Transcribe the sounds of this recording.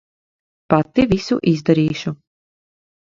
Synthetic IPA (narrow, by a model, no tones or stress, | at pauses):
pat̪ːivisuʔizd̪aɾiːʃu